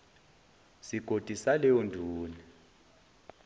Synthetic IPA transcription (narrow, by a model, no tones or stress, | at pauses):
siɡ̥ʱod̥ʱisalɛondʱuːni